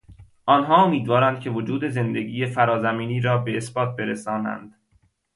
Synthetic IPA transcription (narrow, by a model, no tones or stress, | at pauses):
ʔɒːnɦɒːomiːd̪vɒːɾænd̪̚cʲʰe̞vod͡ʒuːd̪e̞ze̞nd̪e̞ɡiːjefæɾɒːzæmiːniːɾɒːbe̞esbɒːt̪̚be̞ɾesɒːnæ̰nd̪̥